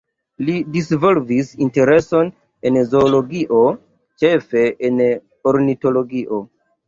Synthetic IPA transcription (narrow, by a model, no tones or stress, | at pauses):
lidisvolvisinte̞ɾe̞so̞n | enzo̞ːlo̞ɡiʔo | t͡ʃe̞fe̞ʔen | oɾnito̞lo̞ɡiʔo̞